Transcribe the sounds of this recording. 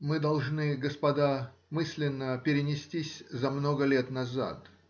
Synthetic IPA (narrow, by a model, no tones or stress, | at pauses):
mɨd̪ɐlˠʐnɨɡəspɐd̪amɨsʲlʲɪnːəpʲɪɾʲɪnʲɪsʲtʲisʲzɐmnoɡəlʲet̪nɐza̰t̪